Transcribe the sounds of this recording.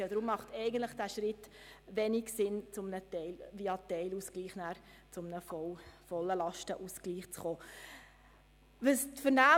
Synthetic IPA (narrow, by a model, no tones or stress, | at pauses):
ɛd̪ɾʊmːɑχtɛɪɡən̩tləχd̥æːʃɾɪtʋɛniksɪnt͡sʊmnətɛɪlviɑtɛɪluskliːχnæːɾ | t͡sʊmnəfɔfɔlːəlɑʃtəʔuskliːχt͡sχoː | vəstfəɾnæː